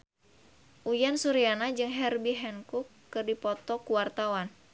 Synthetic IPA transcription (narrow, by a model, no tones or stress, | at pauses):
ʔujansuɾianad͡ʒɨŋɦɛrbiɦɛnkukːɨrdipɔt̪ɔkuwart̪awan